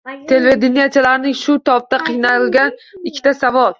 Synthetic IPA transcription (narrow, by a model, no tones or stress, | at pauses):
t̪ʰe̞lved̪ɪnijat͡ʃʰalaɾnɪŋʃʊt̪ʰɒp̚t̪aqʰɨjnaɾɪlɡʲanɪkʲʰːɪ̥t̪ʰasavɒlˠ